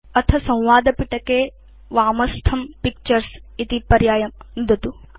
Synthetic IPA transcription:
ɐt̪ʰɐsɐ̃w̃ʋaːd̪ɐpiʈɐkeː | ʋaːmɐst̪ʰɐmpikt͡ʃɐɾsit̪ipɐɾjaːjɐmnd̪ʱɐt̪u

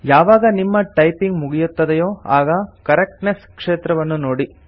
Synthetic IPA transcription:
jaːʋaːɡɐnimːɐʈɐjpiŋɡmuɡijut̪ːɐd̪ejoːaːɡɐkɐɾek̚ʈneskʂeːt̪ɾɐʋɐnːunoːɽi

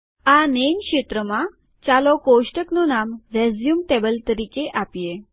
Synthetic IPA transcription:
anenkɕet̪ɾəma | t͡ɕalɔkoɕʈəknɔnamɾɛd͡zjumʈebəlt̪əɾiːkeʔapje

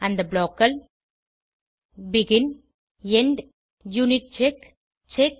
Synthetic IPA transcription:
ɐ̃nd̪ɐbloːkːɐl | biɡɪn | eɳɖ | juːniʈ̚t͡ʃek | t͡ʃek̚

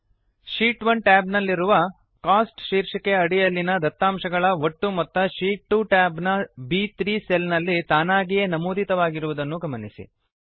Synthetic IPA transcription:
ʃiːʈʋɐnʈaːbnɐlːiɾuʋɐ | kaːsʈʃiːɾʂɐkeɐɽijɐlːinɐd̪ɐt̪ːaːmʃɐɡɐɭɐʋoʈːumɐt̪ːɐʃiːʈːuʈaːbnɐbit̪ɾiːselnɐlːit̪aːnaːɡijenɐmuːd̪it̪ɐʋaːɡiɾuʋud̪ɐnːuɡɐmɐnisḭ

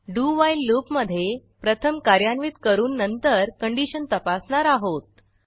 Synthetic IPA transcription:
ɖuʋajllopməd̪ʱːjepɾət̪ʰəmkaɾjanʋit̪kəɾuːnːənt̪əɾkəɳɖiɕənt̪əpasɳaɾaɦot̪̚

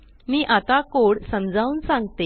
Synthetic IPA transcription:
miːʔat̪akoɽsəmd͡zʱaunsãŋɡt̪e

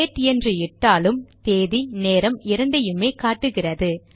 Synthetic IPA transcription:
eːʈːɪɛndrɯɪʈːaːlɯmt̪eːðineːɾɐmɪɾɐɳɖɐjɯmeːkaːʈːɯɣɪrɐðɯ

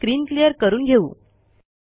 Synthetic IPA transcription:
ɾiːnklijəɾkəɾuːnɡʱeṵː

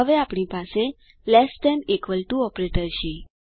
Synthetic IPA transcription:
əʋeapɳipase | lɛsɛnikʋəlʈuɔpɾeʈəɾʃi

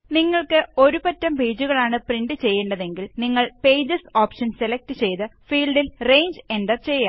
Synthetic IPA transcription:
niŋːɐɭkɨo̞ɾubɐtːɐmpeːd͡ʑuɣɐɭaːɳɨpriɳɖɨt͡ɕe̞jːeɳɖɐðe̞ŋɡilniŋːɐɭpe̞ːd͡ʑɐsoːpʂɐnselek̚tɨt͡ɕe̞jt̪ɨfiːɭɖilre̞jɲd͡ʑe̞nɖɐrt͡ɕe̞jːaː

